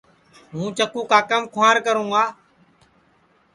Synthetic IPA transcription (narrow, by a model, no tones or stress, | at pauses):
ɦũːt͡ʃəkũːkaːkəmkʰʊaːɾkəɾũːaː